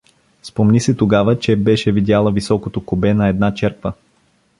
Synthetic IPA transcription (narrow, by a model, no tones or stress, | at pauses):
spomnisɛt̪oɡavət͡ʃɛbɛʃɛvid̪ʲjalˠəvisɔkot̪okobɛnɐɛd̪nat͡ʃɛɾkvə